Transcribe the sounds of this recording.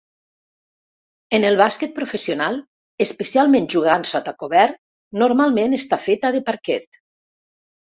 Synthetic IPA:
enelˠβasket̪̚pɾofesionalˠ | espesjalˠmẽnʒuɣ̞ansat̪akoβɛɾ | noɾmalˠmenest̪afet̪aðepaɾkɛt̪

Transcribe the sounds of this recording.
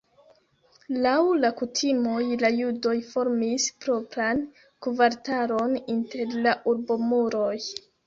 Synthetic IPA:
lawlakutʰimo̞jlajudo̞jfo̞ɾmispɾo̞pɾan | kuvaɾtaɾo̞ninte̞ɾlaʔuɾbomuɾo̞j

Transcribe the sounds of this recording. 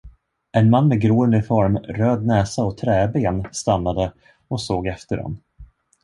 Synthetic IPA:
ɛnmanːmɛɡɾoːəɵnəɾfɔɾmɾøːd̪̚nɛːsaɔt̪ʰɾɛːbeːnst̪anːad̪ə | ɔsoːɡɛft̪əɾɔ̰n

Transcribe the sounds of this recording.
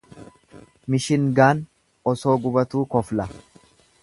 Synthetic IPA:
mɪʃɪŋɡaːn | ɔso̞ːɡʊbɐt̪uːkɔflɐ

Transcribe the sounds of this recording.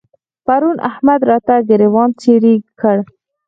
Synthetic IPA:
paɾunʔa̰hmad̪ɾɑt̪aɡəɾewɑnt͡seɾikəɽ

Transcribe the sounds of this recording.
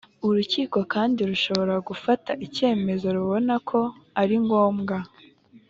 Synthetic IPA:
uɾuciːko̞kaːndiɾuʃo̞βo̞ɾaɡufataʔice̞ːme̞zo̞ɾuβo̞nakʰo̞aɾiŋɡo̞ːmɡa

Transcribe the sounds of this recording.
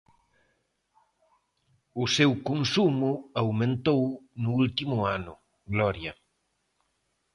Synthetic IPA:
ʊsewkonsumʊawmẽnt̪ownʊult̪imʊanʊ | ɡlɔɾjɐ

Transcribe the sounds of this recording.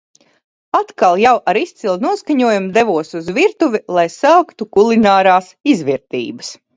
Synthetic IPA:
at̪kalˠjawʔaɾist̪silˠnuɔskaɲuɔjumd̪ɛvuɔsuzviɾt̪uvʲilˠajsaːkt̪ukulˠinaːɾaːsizviɾt̪ḭːbəs

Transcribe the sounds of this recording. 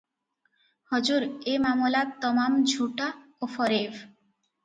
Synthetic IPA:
hɔd͡ʑuɾemamolat̪ɔmamd͡ʑʱuʈa | ofɔɾev

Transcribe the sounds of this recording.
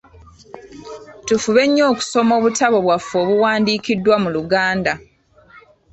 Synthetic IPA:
tufuβe̞ɲːo̞ːku̥so̞mo̞ːβutaβo̞βwafːo̞ːβuwaːndiːkidːwamuluɡaːnda

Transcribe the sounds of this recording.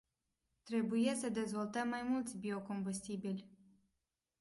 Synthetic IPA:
t̪ɾebujesəd̪ezvolt̪əmːajmult̪sʲbʲiokombusʲt̪ʲibʲilʲ

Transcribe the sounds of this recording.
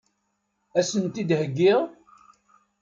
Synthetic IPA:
æsənt̪id̪həɡːɪʁ

